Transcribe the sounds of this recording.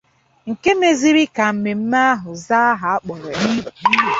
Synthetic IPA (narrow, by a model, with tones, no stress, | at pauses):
ŋ̩˨ke˦me˦zi˦ɾi˦ka˨m̩˨me˨m̩˦ma˦a˦ɦʊ˨za˦a˦ɦa˨a˦k͡pɔ˨ɾɔ˨ni˦bu˨ni˦e˨